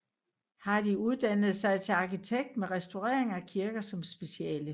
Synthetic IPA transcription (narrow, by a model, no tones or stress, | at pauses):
hɑ̈d̥iuð̞ˠd̥ænð̞̩ˠsɑ̈ɪt͡sʰe̝ɑ̈kit͡sʰeɡ̥̚d̥meʁɛsd̥oʁɛ̰ɐ̰eŋækʰiɐɡ̥ɐsɒ̽msb̥e̝siɛ̰ːlə